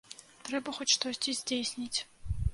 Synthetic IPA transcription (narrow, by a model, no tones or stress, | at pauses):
t̪ɾɛbɐxɔtʲʂt̪ɔsʲtʲizʲdʲejsʲnʲitʲ